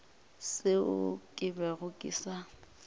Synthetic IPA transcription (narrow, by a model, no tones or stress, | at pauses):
sɪʊ̰kʼɪbɛɣʊkʼḭːsa